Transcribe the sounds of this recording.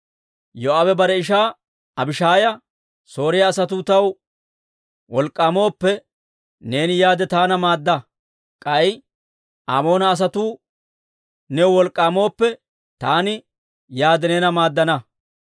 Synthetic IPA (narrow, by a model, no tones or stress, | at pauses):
jɔabɛbɐɾɛɪʃ̬aː | ɐbɪʃaːjɐ | so̞ːɾɪjɐːs̬ɐt̪uːt̪ɐw | wɔlkʼːaːmo̞ːpːɛ | ne̞ːnɪjaːd̪ɛt̪aːnɐmaːd̪ːɐ | kʼɐj | ʔaːmo̞ːnɐːs̬ɐt̪uː | nɛwɔlkʼːaːmo̞ːpːɛ | t̪aːnɪ | jaːd̪ɛneːnɐmaːd̪ːɐnɐ